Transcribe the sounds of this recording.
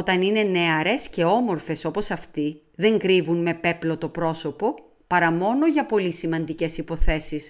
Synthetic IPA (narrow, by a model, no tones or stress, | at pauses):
ot̪ɐnine̞ne̞ɐɾe̞sce̞o̞mo̞ɾfe̞so̞po̞sɐft̪i | ðe̞ŋɡɾivunme̞pe̞plo̞t̪o̞pɾo̞so̞po̞ | pɐɾɐmo̞no̞ʝɐpo̞lisimɐnd̪ice̞sipo̞θe̞sis